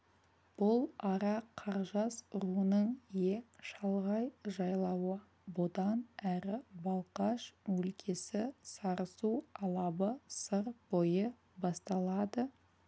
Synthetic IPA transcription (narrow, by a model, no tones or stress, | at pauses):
b̥ʊlˠɑɾɑqʰɑɾʒɑsʊɾuənəɴjeʃɑlˠʁɑjʒɑjlˠɑwə | bʊd̪ɑnæɾɪbɑlˠqɑʃwɵlkʲʰe̞sɪsɑɾəsuɑlˠɑbəsəɾbo̞jə | bɑst̪ɑlˠɑd̪ə